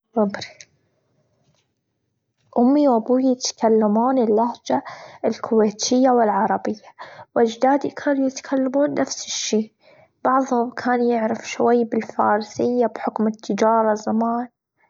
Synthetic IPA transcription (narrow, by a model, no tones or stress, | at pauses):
wʊbɾi | ʔʊmːiwʔabuːjɪt̪kalːamaːnɪlːahd͡ʒaɪlkʰʊweːt̪ʰɪjːawɪlʕɑɾˤɑbɪjːawɪd͡ʒd̪aːd̪ikʰaːnujɪt̪ḁkʰalːamuːnːafsɪ̥ʃːiːʔ | b̥ɑʕðˤhʊmkʰaːnjɪʕɾɪfʃwajːbɪlfɑ̰ːɾˤsɪjːabħʊkmɪt̪ʰːɪd͡ʒɑːɾˤɑzamaːn